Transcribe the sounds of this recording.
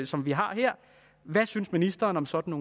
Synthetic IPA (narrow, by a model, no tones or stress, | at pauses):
sɒ̽mʋiɦɑ̈ɦeɐ̰ | ʋæsynsminisd̥ɐːnɒ̽msɒ̽d̥n̩ːo̝